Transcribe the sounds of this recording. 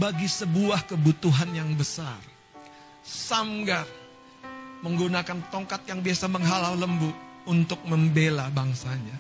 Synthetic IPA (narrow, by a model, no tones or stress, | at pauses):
baɡisəbuahkəbut̪uɦanjaŋbəsar | samɡar | məŋɡunakant̪ɔŋkat̪̚jaŋbiasaməŋɦalawləmbuunt̪ʊk̚məmbelabaŋsaɲa